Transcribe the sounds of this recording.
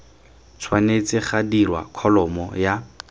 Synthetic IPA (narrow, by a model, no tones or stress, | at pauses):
t͡sʰwanet͡sɪχadirwa̰kʰɔlɔmɔja